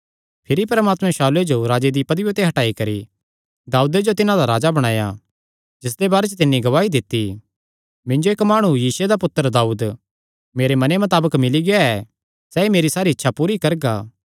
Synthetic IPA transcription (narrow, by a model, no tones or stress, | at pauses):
pʰɪɾipɐɾmaːt̪mɛ̃ʃaːʊled͡ʒoɾaːd͡ʒed̪ipɐd̪ɪjot̪eɦɐʈaːikɐɾi | d̪aːuːd̪ed͡ʒot̪ɪnãd̪aɾaːd͡ʒabɐɽ̃aːja̰ | d͡ʒɪs̬d̪ebaːɾet͡ʃt̪ɪnːĩɡɐʋaːid̪ɪt̪ːi | mɪ̃ɲd͡ʒoeːkmaːɽ̃ujiːsued̪apʊt̪ːəɾd̪aːuːd̪ | meːɾemɐnemɐt̪aːbəkmɪliɡeaɛ | sɛːimeːɾisaːɾiɪtːʃʰapuːɾikɐɾɡaː